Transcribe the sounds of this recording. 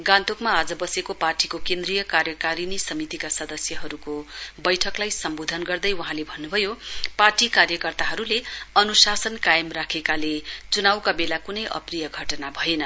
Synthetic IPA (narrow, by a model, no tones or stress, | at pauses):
ɡãnt̪okmaːd͡zʌbʌsekoparʈikokend̪rijʌkarjʌkaɾinisʌmit̪ikasʌd̪ʌsjʌɦʌɾukobʌjʈʰʌklajsʌmbod̪ʱʌnɡʌrd̪ʌjwʌɦãlebʱʌnːubʱʌjoparʈikarjʌkʌrt̪aɦʌɾuleʌnusasʌnkajʌmrakʰekalet͡sunawkabelakunʌjʔʌ̰prijʌɡʱʌʈʌnabʱʌjenʌ